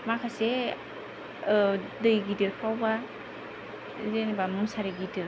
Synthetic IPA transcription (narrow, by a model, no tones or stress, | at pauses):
makʰase | dɯjɡidiɾkʰawba | zenibamɯmsaɾiɡidɯɾ